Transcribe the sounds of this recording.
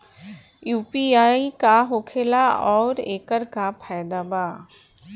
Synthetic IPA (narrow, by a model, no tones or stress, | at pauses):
juːpiaːikaɦoːkʰeːlaɔːɾeːkəɾkapʰɛːd̪aːba